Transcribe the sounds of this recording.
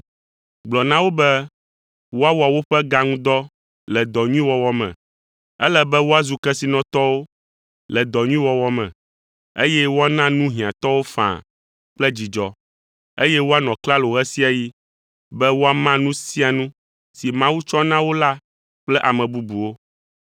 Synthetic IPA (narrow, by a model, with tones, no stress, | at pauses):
ɡ͡blɔ˨nã˦wo˦bɛ˦ | wo˦a˦wo˨a˨wo˦ɸɛ˦ɡa˦ŋũ˦d̪ɔ˦ | lɛ˨d̪ɔ˨ɲũ˦i˦wɔ˦wɔ˦mɛ̰̃˨ | ɛ˦lɛ˦bɛ˦wo˦a˦zu˨kɛ˦si˨nɔ̃˨t̪ɔ˦wo˦ | lɛ˨d̪ɔ˨ɲũ˦ĩ˦wɔ˦wɔ˦mɛ̰̃˨ | ḛ˦jɛ˦wo˦a˦nã˦nũ˦ɦĩ˨ã˨t̪ɔ˦wo˦fã̰˨ | k͡plɛ˦d͡ʑi˨d͡ʒɔ˨ | e˦jɛ˦wo˦a˦nɔ̃˨kla˦lo˨ɣɛ˦si˦a˨ji˦ | bɛ˦wo˦a˦mã˦nũ˦si˦a˨nũ˦ | si˨mã˦wu˦t͡ʃɔ˦nã˦wo˦la˦ | k͡plɛ˦ʔa˨mɛ̃˨bu˦bu˨wo˦